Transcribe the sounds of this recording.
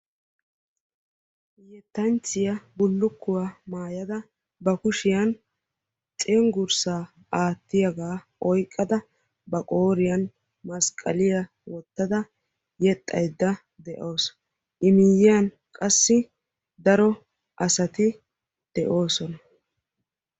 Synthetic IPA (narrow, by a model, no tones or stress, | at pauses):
jɛt̪ːɐnt͡sːɪjɐbʊlːʊkːʊwaːmaːjɐd̪ɐ | bɐkʊʃɪjɐn | t͡ʃʼɛŋɡʊɾsaː | ʔaːt̪ːɪjɐɡaː | ɔjkʼːɐd̪ɐ | bɐkʼoːɾɪjɐn | mɐskʼːɐ̰lɪjɐ | wɔt̪ːɐd̪ɐ | jɛt̪ʼːɐjd̪ːɐ | d̪ɛʔo̞ːs | ʔɪmɪjɪjɐn | kʼɐsːɪ | d̪ɐɾɔ | ʔɐsɐt̪ɪ | d̪̥ɛʔo̞ːsɔnɐ